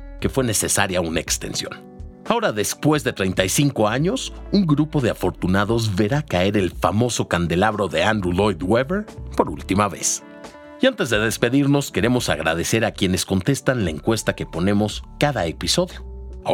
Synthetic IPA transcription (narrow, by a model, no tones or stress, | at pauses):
ke̞fwe̞ne̞se̞saɾjaunaekst̪e̞̰nsjo̞̰n | ao̞ɾaðe̞spwe̞zðe̞t̪ɾejnt̪ajsiŋko̞aɲo̞suŋɡɾupo̞ðe̞afo̞ɾt̪unaðo̞zβe̞ɾakae̞ɾe̞lfamo̞so̞kand̪e̞laβɾo̞ðe̞and̪ɾulo̞jd̪weβeɾpo̞ɾṵlt̪imaβe̞̰s | iant̪e̞zðe̞ðe̞spe̞ðiɾno̞ske̞ɾe̞mo̞sa̰ɣɾa̰ðe̞se̞ɾakje̞ne̞sko̞nt̪e̞st̪anlaeŋkwe̞st̪ake̞po̞nẽ̞mo̞skaðaepiso̞ðjo̞